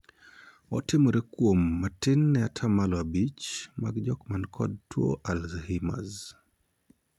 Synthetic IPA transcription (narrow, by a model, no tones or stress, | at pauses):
ɔtɪmɔɾekwomːatɪnːɛatʰamalɔabit͡ʃma̰ɡd͡ʒɔkmankʰɔ̰d̚two̰ʔalzhima̰z